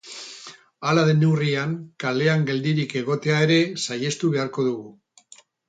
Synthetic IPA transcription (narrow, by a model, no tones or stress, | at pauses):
alað̞e̞newriaŋkale̞aŋɡe̞ld̪iɾike̞ɣ̞o̞t̪e̞ae̞ɾe̞saje̞st̪uβe̞aɾko̞ðuɣu